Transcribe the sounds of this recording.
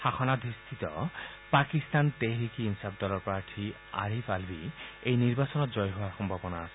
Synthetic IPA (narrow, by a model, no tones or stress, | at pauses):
xaxʰɔnad̪ʱist̪ʰit̪ɔ̰ | pakist̪anteɦɾikiinsab̚d̪ɔlɔɹpaɹʈʰi | a̰ɹifʰalbiejniɹbasɔnɔtzɔjɦowaɹxɔmbʱabɔnaasɛ